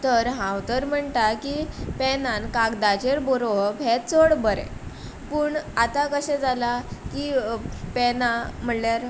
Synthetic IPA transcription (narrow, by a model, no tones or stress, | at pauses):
t̪əɾɦãwt̪əɾm̤əɳʈ̪akipɛnãnkaɡd̪at͡ɕeɾboɾoɦbʱet͡səɽbəɾḛ | pəːɳat̪akəɕɛd͡zalakipɛnam̤əɽljaɾ